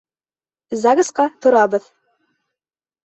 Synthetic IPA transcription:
zɑɡɤ̆sqɑt̪ŏɾɑbɤð

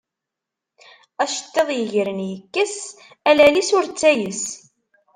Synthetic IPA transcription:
æʃə̥t̪ːeðˤjəʝɾənjəkːəs | ælælisʊɾt͡sːæjəs

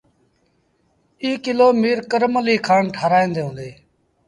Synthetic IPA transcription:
iːkɪloːmiːɾkəɾməliːkʰaːɳʈʰaːɾaːĩːnd̪eːɦũːnd̪eː

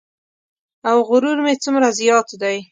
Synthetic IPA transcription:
awɣʊɾuɾmet͡sʊmɾazjɑt̪d̪aj

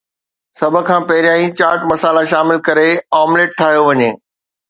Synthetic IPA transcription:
sɐbʱʊ̆kʰãːpɐɦɪɾijãːĩt͡ɕaːɾʈmɐsaːlaʃaːmɪlkɐɾeaːmleːʈ̚ʈʰːaːɦijoʋɐɲeː

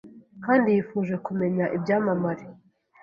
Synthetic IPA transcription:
kaːndijifuːʒwe̞kume̞ɲaʔibjaːmamaɾi

